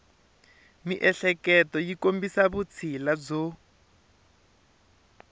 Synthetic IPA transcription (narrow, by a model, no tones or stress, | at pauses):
miʔɛɬɛkɛtɔjikombisaβut͡sʰilad͡zɔ